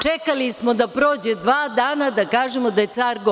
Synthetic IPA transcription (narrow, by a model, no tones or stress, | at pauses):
t͡ʃekalismo̞d̪apɾoːd͡ʑe̞d̪ʋaːd̪aːnad̪akaːʒemod̪aje̞t̪saːɾɡo